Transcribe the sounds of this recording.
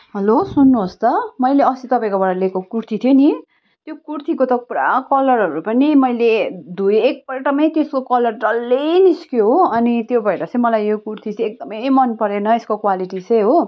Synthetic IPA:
ɦʌlosunːuɦost̪ʌmʌjleʌsit̪ʌpaĩkobʌɽalekokurt̪ʰit̪ʰjoni | t̪jokurt̪ʰikot̪ʌpuɾa̰kʌlʌrɦʌɾupʌnimʌjled̪ujek̚pʌʈʌmʌjt̪eskokʌlʌrd͡zʌlːeniskjoɦoʌnit̪jobʱʌjɾat͡sʌ̃ĩmʌlajjokurt̪ʰit͡sʌek̚d̪ʌmʌjmʌnpʌɾenʌeskokwaliʈit͡sʌjɦo

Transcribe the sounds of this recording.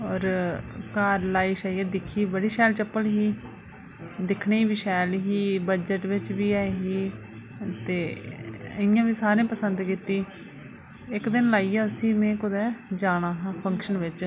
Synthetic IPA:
ɔːɾkaːɾlaːiːʃaːijɛd̪ɪkʰːiːbəɽiːʃɛːlt͡ʃəpːəlɦiː | d̪ɪkʰɳeːʋiʃɛːlɦiːbəd͡ʒəʈʋɪt͡ʃʋiːɛːɦiː | t̪eː | ɪjãːʋiːsaːɾẽːpəsənd̪kiːt̪iː | ɪkd̪ɪnlaːiːjaːʊsiːmẽːkʊd̪ɛːd͡ʒaːɽaːɦãːpʰəŋkʃənʋɪt͡ʃ

